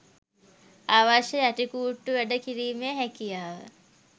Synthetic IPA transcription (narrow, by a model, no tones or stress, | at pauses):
aːʋaʃəjaʈikuːʈːuʋæɖəkiɾiːmejəɦækijaːʋə̰